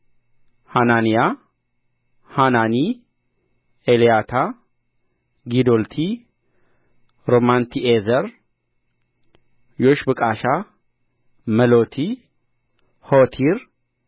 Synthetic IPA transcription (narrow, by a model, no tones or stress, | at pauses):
hananija | hanani | elijat̪ʰa | ɡid̪olt̪ʰi | ɾomant̪ʰiʔezəɾ | joʃbɨkʼaʃa | məlot̪ʰi | hot̪ʰiɾ